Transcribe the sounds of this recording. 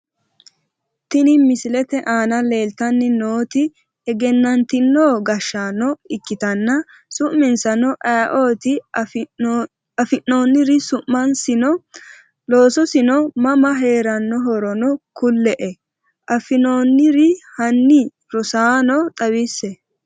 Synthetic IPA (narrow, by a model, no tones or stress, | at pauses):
t̪ɪnɪmɪsɪlɛt̪ɛʔaːnɐle̞ːlt̪ɐnːɪnoːt̪ɪ | ɛɡɛnːɐnt̪ɪnːoːɡɐʃːaːnːɔɪkːɪt̪ɐnːɐ | sʊʔmɪnsɐnɔʔajʔoːt̪ɪ | ɐfɪnːoːnːɪɾɪsʊʔmːɐnsɪnɔ | lo̞ːsɔsɪnɔmɐmɐɦe̞ːɾɐnːɔɦɔɾɔnɔkʊlːɛʔɛ | ʔɐfɪnonːɪɾɪhɐnːɪ | ɾɔsaːnɔt̪ʼɐwisːɛ